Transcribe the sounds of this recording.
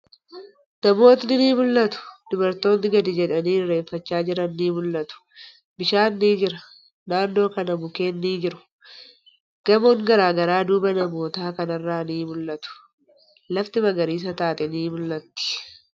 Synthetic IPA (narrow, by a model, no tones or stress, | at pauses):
nɐmo̞ːt̪nɪniːmʊlːɐt̪ʊ̥d̪̥ʊbɐɾt̪o̞ːnːɪɡɐd̪ɪd͡ʒɛᶑɐniːre̞ːfːɐt͡ʃːaːd͡ʒɪɾɐnːiːmʊlːɐt̪ʊ̥ | bɪʃaːnːiːd͡ʒɪɾɐ | naːnːo̞ːkɐnɐbʊke̞ːnːiːd͡ʒɪɾʊ̥ | ɡ̥ɐmoːŋɡɐɾaːɡɐɾaːd̪uːbɐnɐmo̞ːt̪aːkɐnɐrːaːniːmʊlːʔɐt̪ʊ̥ | lɐft̪ɪmɐɡɐɾiːs̬ɐt̪aːt̪ɛniːmʊlːɐt̪ːɪ̥